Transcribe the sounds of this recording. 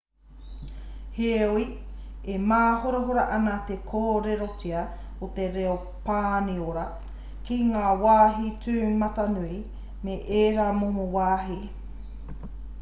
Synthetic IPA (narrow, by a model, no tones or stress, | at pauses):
heoiemaːhoɾoɦoɾaʔɐnat̪ekʰoːɾeɾot͡siɐ | ot̪eɾeo | paːnioɾɐ | kiŋaːwaːɦit͡sʉːmɐt̪ɐnui | meʔeːɾamoɦowaːɦi